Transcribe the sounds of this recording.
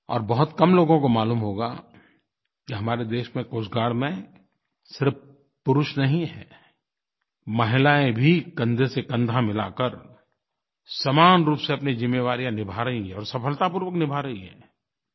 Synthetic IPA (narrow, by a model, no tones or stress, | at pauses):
ɔ̰ːɾbɐɦʊt̪kɐmloːɡõkomaːluːmɦoːɡa̰ | keɦɐmaːɾed̪eːʃmẽkoːsɡaːɽmẽ | sɪɾf | pʊɾʊʃnɐɦĩɦɛ̰ː | mɐɦɪlaːẽbʱikɐ̃nd̪ʱesekɐ̃nd̪ʱamɪla̰kəɾ | sɐmaːnɾuːpseɐpnizɪmːeːʋaːɾijãnɪbʱaɾɐɦiɦɛ̃ɔːɾsɐfʰəlt̪ap̬uːɾʋəknɪbʱaːɾɐɦiɦɛ̰̃ː